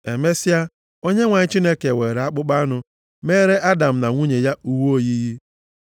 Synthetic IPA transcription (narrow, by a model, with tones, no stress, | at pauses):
e˨me˦si˦a˦ | o˦ɲe˦ŋʷa˨ɲ˦t͡ʃi˦ne˦ke˨we˨ɾe˨a˦k͡pʊ˦k͡pa˦nʊ˦ | me˦ɾe˦ʔa˦da˨m̩˨na˨ŋʷu˦ɲe˨ja˦u˦wo˦˨ji˦ɦi˦